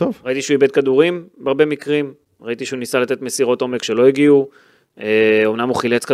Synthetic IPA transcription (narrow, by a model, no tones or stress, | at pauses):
t̪ovʁait̪iʃeuibe̞d̪̚kad̪uʁimbeaʁbe̞mikʁim | ʁait̪iʃeunisalat̪et̪mesiʁo̞t̪o̞mekʃe̞lo̞iɡiu | eo̞mnamhuχilet͡ska